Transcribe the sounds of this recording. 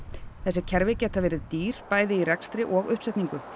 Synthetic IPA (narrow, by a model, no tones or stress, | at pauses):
θɛsːɪcʰɛɾvɪcɛːt̪avɛːɾɪðt̪iːɾ̥paːjðɪirɛkst̪ɾɪʔɔɣʏhpsɛjt̪niŋkʏ